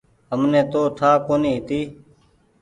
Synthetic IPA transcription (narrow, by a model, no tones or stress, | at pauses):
ɦəmnẽːt̪oːt̪ʰaːkoːniːɦɪt̪iː